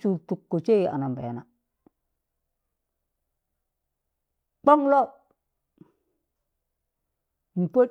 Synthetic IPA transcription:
t͡ʃu˨tu˨kːo˨t͡ʃe˦ji˨ʔa̰˨na˨mbḛ˨na˨ | k͡po˦ŋlo˦ | m̩˨po˦

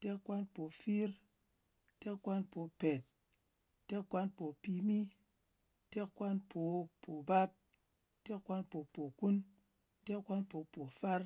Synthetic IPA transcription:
te˦kːʷa˦npo˨fi˦ɾ | te˦kːʷa˦npo˨pe˨t̚ | tːe˦kʷːa˦npo˨pi˧mi˦ | te˦kʷːa˦npʰo˨pʰo˨ba˦p̚ | te˦kːʷa˦npo˨po˨ku˦n | te˦kʷa˦npo˨po˨fa˦ɾ

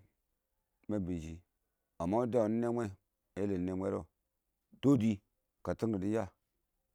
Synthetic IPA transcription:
me˦bi˨d͡ʒi˨ | a˨mːa˦u˦da˦˨u˨ni˦ne˦mʷe˦˨ | e˦le˨n˦ne˦mʷe˦ɾo˦ | d̥o˦di˦ | ka˨ti˦ŋɡi˨di˦ja˦˨

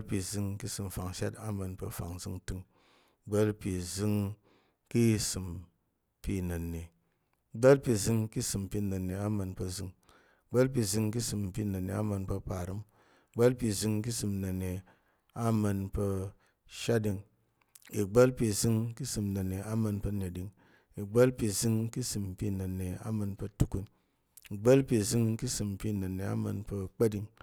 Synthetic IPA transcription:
lpi˧zɨ˧ŋki˦sɨ˧mfa˨ŋʃa˦ta˦mə˧npə˧fa̰˨ŋzɨ˧ŋtɨ˧ŋ | ɡ͡bə˦lpi˧zɨ˦ŋ | ki˦sɨ˧m | pi˧nə˨nːe˨ | ɡ͡ba˦lpi˧zɨ˧ŋki˦sɨ˧mpi˧nə˨nːe˨a˦mə˧npə˧zɨ˧ŋ | ɡ͡ba˦lp̬i˧zɨ˧ŋki˦sɨ˧mpi˧nə˨nːe˨a˦mə˧npə˧pa˨ɾɨ˦m˨ | ɡ͡ba˦lpi˧˨zɨ˧ŋki˦sɨ˧mna˨ne˨ | a˦ma˧npə˧ | ʃa˦di˧ŋ | i˨ɡ͡bə˦lpi˧˨zi˧ŋki˦sɨ˧mna˨ne˨a˦ma˧npə˧ne˨di˨˧ŋ | i˨ɡ͡ba˦lpi˧˨zi˧ŋki˦sɨ˧m˨pi˧na˨ne˨a̰˦ma˧npə˧tu˦ku˧n | i˨ɡ͡bə˦lpi˧˨zi˧ŋki˦sɨ˧m˨pi˧nə˨ne˨a̰˦ma˧npə˧k͡pa˦di˧ŋ

